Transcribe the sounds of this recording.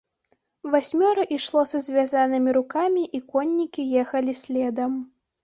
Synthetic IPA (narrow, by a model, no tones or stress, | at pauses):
vasʲmʲɔɾɐʔiʂlˠɔsɐzʲvʲazanɨmʲiɾukamʲiʔikɔnʲːikʲijɛxɐlʲisʲlʲɛd̪ɐm